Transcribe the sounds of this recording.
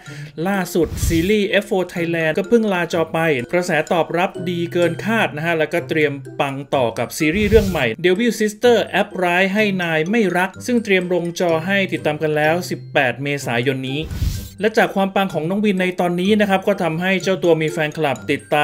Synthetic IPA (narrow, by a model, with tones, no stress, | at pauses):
laː˥˩su˨˩t̪̚siː˨˦liː˥˩ʔe˦˥foː˧t̪ʰa˧jlɛː˧nkɔ˥˩pʰɯ˥˩ŋlaː˧t͡ɕɔː˨˧˩pa˧jpɾa˧sɛː˩˦t̪ɔː˨˩p̚ɾa˦˥p̚diː˧kɤː˧nkʰaː˥˩t̪̚na˦˥kʰa˦˥lɛ˦˥wkɔː˥˩t̪ɾi˧əmpa˧ŋt̪ɔː˨˩ka˨˩p̚siː˧ɾiː˥˩ɾɯ˥˩əŋma˨˩jde˨˧wi˧˥˩wsi˦˥st̪ɤː˥˩ʔɛ˦˥p̚ɾaː˦˥jɦa˥˩jnaː˧jma˥˩jɾa˦˥k̚sɯ˥˩ŋt̪ɾi˧əmɾo˧ŋt͡ɕɔː˧ɦa˥˩jt̪i˨˩t̪ːaː˧mka˧nlɛː˦˥wsi˨˩pːɛː˨˩t̪̚meː˧saː˩˦jo˧nːiː˦˥lɛ˦˥t͡ɕaː˨˩kʰwaː˧mpa˧ŋkʰɔː˩˦ŋnɔː˦˥ŋwi˧nːa˧jt̪ɔː˧nːiː˦˥na˦˥kʰɾa˦˥p̚kɔː˥˩t̪ʰa˧mɦa˥˩jt͡ɕa˥˩wt̪u˧ɐmiː˧fɛː˧nkʰa˧la˨˩p̚t̪i˨˩t̪ːaː˧